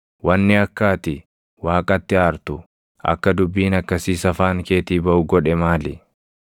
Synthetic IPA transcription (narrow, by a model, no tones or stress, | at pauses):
wɐnːɪɐkːaːt̪ɪ | waːkʼɐt̪ːɪaːɾt̪ʊ | ʔɐ̰kːɐd̪ʊbːiːnɐkːɐsiːsɐfaːŋke̞ːt̪iːbɐʔʊɡɔᶑɛmaːlɪ